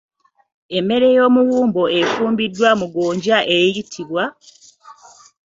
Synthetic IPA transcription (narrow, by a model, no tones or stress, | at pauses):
e̞me̞ɾe̞jo̞ːmuwuːmbo̞efuːmbidːwamuɡoːɲɟaʔejijitʰiβwa